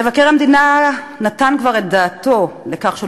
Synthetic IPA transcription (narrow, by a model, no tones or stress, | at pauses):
evakeʁhamd̪ina | nat̪ankvaʁet̪̚d̪aːt̪o̞lekaχʃe